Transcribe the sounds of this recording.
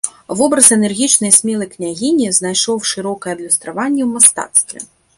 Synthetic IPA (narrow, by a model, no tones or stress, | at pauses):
vɔbɾɐsɛnɛrɣʲit͡ʂnɐjsʲmʲɛlˠɐjknʲaɣʲinʲiznajʂɔwʂɨɾɔkɐjɛɐb̪lʲust̪ɾavanʲːɛwmast̪a̰t̪st̪vʲɛ̰